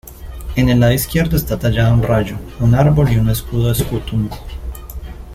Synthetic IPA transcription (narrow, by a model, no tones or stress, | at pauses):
e̞nelaðiskje̞ɾd̪oest̪at̪ad͡ʒaðounrad͡ʒounaɾbo̞liune̞skuðoðeskut̪umo